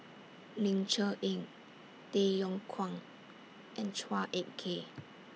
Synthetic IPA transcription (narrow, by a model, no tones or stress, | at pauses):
lĩnt͡ʃəʔĩŋ | tejɔ̃ŋkʰwãŋ | ʔɛ̃nt͡ʃwaʔet̚kʰe